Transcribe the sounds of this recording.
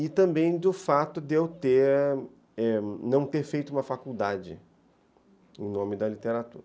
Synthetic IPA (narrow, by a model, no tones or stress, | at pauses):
ɪt̪ɐ̃mbẽj̃d̪ʊfat̪ʊd̪ewt̪eɾ | ɛnɐ̃w̃t̪eɾfejt̪ʊũmɐfakuwd̪ad͡ʒɪ | ḛ̃j̃nõmɪd̪ɐlit̪eɾat̪ṵɾɐ